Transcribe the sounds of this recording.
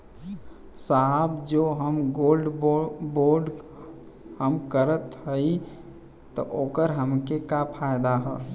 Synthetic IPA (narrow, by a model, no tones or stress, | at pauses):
saɦəbd͡ʒoːɦəmɡoːlɖboːɾɖ | həmkəɾət̪ɦəi | t̪ɔʔoːkəɾɦəmkekapʰaːjd̪aɦɛː